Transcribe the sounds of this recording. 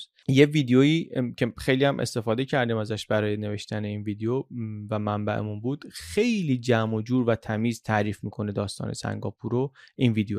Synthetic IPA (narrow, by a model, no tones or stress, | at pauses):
jeviːd̪ejojiːcʰexejliːhæmʔḛst̪e̞fɒːd̪e̞cʰæɾd̪iːmæzæʃbæɾɒːjene̞ve̞ʃt̪æne̞iːnviːd̪ejovæmæmbæʔḛmunbuːd̪̥xe̞jliːd͡ʒæmod͡ʒuːɾvæt̪ʰæmiːzt̪ʰæɾiːfmiːkʰo̞ne̞d̪ɒːst̪ɒ̰ːne̞̰sæ̰ŋɡɒːpʰuɾoinviːd̪ejo